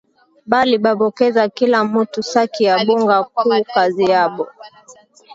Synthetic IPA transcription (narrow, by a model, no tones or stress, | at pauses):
ɓaliɓaɓɔkɛzakilamutusakijaɓuŋɡakuːkazijaɓɔ